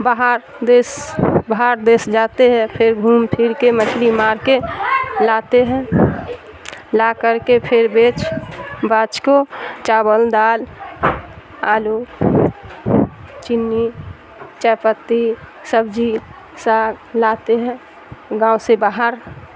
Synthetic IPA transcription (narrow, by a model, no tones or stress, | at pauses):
baɦəɾ | d̪esbəɦaɾd̪esd͡ʒat̪eɦɛ̃pʰɪɾɡʱuːmpʰiɾkemət͡ʃʰlimaːɾkelat̪eɦɛ̃ | lakəɾkepʰɪɾbeːt͡ʃbat͡ʃkot͡ʃabəld̪aːl | aːlu | t͡ʃɪnːi | t͡ʃɛpət̪ːisəbd͡ʒi | saːɡlat̪eɦɛ̃ | ɡãːusebaːɦəɾ